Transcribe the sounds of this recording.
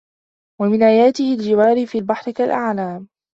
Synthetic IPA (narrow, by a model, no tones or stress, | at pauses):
wamɪnʔaːjaːt̪ɪhɪld͡ʒɪwaːɾɪfiːlbaħɾɪkalʔaʕlaːm